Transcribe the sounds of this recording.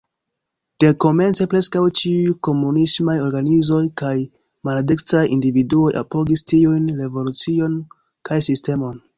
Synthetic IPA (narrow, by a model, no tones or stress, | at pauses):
d̥e̞ko̞me̞nt͡se̞pɾe̞skawt͡ʃiujko̞munismajo̞ɾɡanizo̞jkaj | maladekstɾajʔindividuo̞jʔa̰po̞ɡistiujnɾe̞vo̞lut͡sio̞n | kajsiste̞mo̞n